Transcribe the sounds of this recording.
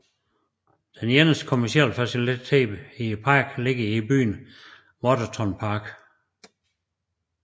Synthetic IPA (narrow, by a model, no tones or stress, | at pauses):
d̥enjenəskʰomæɐsiɛ̰lfæsilʰɛ̰ːb̥ipʰɑ̈ːɡ̥le̝ɡ̥əiby̰ːn | mɒdot͡sʰɒnpʰɑ̈ːɡ̥